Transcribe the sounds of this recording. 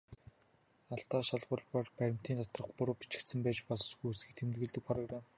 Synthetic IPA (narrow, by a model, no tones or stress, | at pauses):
aɬt̪aːʃaɮʁʊːɮpɔrpæɾʲɪ̆m̥t̪iːnt̪ɔt̪rɞ̆χpʊɾʊːpi̥t͡ɕɪ̥̆rt̪sɘ̆mpæːt͡ɕpɔsɡujusɡɘ̆k̚t̪ʰemt̪ɡɘ̆ɮt̪ɘ̆k̚pʰɔɾə̆reːm